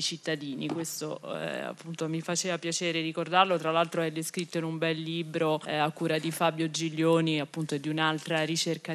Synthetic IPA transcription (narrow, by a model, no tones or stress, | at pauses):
t͡ʃit̪ːad̪iːnikwest̪oa̰pːunt̪omifat͡ʃeːvapjat͡ʃeːɾeɾikord̪arlot̪ɾalːalt̪ɾoɛd̪ːeskɾit̪ːoinumbɛlːiːbɾoakːuːɾad̪ifabjod͡ʒiʎːoːniapːunt̪oed̪iunalt̪ɾaɾit͡ʃerka